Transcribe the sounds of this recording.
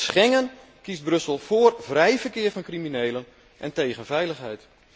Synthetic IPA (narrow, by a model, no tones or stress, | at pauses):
sxɛŋən | kist̚brɵsəlˠfoːrvrɛjvərkɪərfɔnkrimineːlən | ʔɛnteːɣənvɛjləxɦɛjt